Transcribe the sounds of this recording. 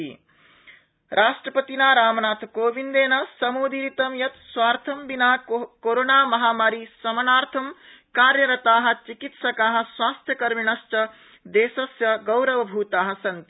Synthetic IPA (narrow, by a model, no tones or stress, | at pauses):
ḭ | ɾʔaːʃʈɾɐpɐt̪inaːɾaːmnaːt̪ʰkoːʋind̪eːnɐsɐmuːd̪ʱiɾit̪ɐmjɐt̪swaːɾt̪ʰɐmbinaːkoɾoːnaːmɐɦaːmaːɾisɐmɐnaːɾt̪ʰɐm | kaːɾjɐɾɐt̪aːɦɐ̆t͡ʃikit̪sɐkaːɦɐ̆swaːst̪ʰjɐkɐɾminɐst͡ʃɐ | d̪eːsɐsjɐɡɐwɾɐʋɐbʱuːt̪aːɦɐ̆sɐnt̪i